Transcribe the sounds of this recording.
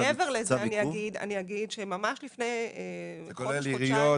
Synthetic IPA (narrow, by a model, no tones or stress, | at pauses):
eveʁlezaaniaɡid̪a̰niaɡidʃemamaʃlifneje | koleliʁio